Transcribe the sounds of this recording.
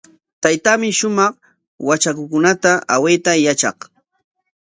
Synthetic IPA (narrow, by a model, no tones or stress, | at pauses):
t̪ajt̪aːmɪʃʊmɑχ | wat͡ʃakʊkʊnat̪aawet̪ajat͡ʃɑ̰χ